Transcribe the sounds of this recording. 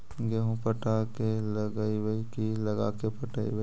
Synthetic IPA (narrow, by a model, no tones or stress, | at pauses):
ɡeɦũpəʈakeləɡaibəikiləɡakepəʈaːḭbə